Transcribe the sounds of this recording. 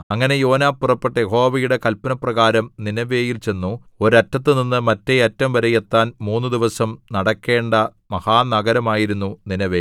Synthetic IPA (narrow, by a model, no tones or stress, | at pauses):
ɐŋːɐne̞jo̞ːnaːpːurɐpːeʈːɐjeho̞ːʋɐjuɽe̞kɐlpɐnɐprɐɣaːɾɐmninɐʋe̞ːjilt͡ɕe̞nːu | o̞ɾɐtːɐt̪̬ːɨninːɨmɐtːeɐtːɐmʋɐɾɐjet̪ːaːnmuːnːɨd̪iʋɐsɐmnɐɽɐkːe̞ːɳɖɐ | mɐhaːnɐɡɐɾɐmaːjiɾunːuninɐʋeː